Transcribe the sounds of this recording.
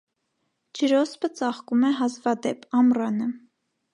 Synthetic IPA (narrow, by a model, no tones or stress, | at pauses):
d͡ʒəɾɔspət͡sɑχkumɛɦɑzvɑd̪ɛpʰɑmrɑnə